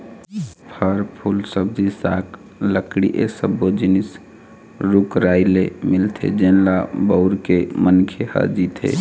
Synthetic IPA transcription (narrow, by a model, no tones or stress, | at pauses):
pʰəɾpʰulsəb̚d͡ʒisa̰k | ləkɽḭʔḛsəbod͡ʒinis | ɾukɾailemilt̪ʰḛd͡ʒenlabəʊɾkemənkʰehə̰d͡ʒit̪ɦḛ